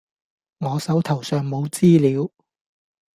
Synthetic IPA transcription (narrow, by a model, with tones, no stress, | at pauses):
ŋɔː˨˧sɐ˨˥wt̪ʰɐ˨˩wsœː˨ŋmo˨˧wt͡siː˥liː˨˧w